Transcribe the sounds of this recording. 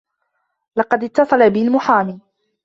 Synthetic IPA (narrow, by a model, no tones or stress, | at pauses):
lɑqɑd̪ɪt̪ːɑsˤɑlabɪlmʊħaːmiː